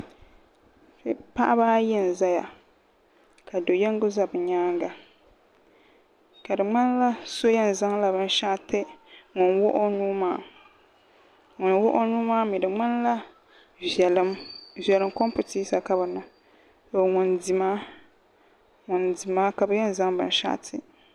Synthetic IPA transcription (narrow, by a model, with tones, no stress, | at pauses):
fɪ˦pa˦ʔa˦baː˦jɛ˦n˨za˦ja˨ | ka˨do˨jɛ˦ŋ˦ɡʊ˦za˦bɨ˨ɲaː˦ŋɡa˨ | ka˨dɨ˨ŋ͡ma˦n˦la˦so˦jɛ˦n˨za˦ŋla˨bɨ˦n˦ʃa˦˨tɛ˦ŋʊ˨nwʊ˦ʔʊ˦nuː˦maː˦˨ | ŋʊ˨nwʊ˦ʔʊ˦nuː˦maː˦mi˨dɨ˨ŋ͡ma˦n˦la˦ | ɛ˨lɨ˦mvɛ˨lɨ˨˦mkɔ˦mpu˨tiː˦sa˨ka˦ba˨nʊ˨ | o˨ŋʊ˨ndi˨maː˦ | ŋʊ˨ndi˨maː˦ka˨bɨ˨˦jɛ˦n˨za˦ŋbɨ̰˦n˦ʃa̰˦ʔtʰɪ˨